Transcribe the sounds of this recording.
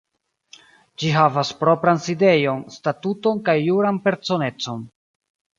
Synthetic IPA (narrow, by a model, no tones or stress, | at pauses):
d͡ʒiɦavaspɾo̞pɾanside̞jo̞nstatuto̞nkajːuɾanpe̞ɾso̞ne̞t͡so̞n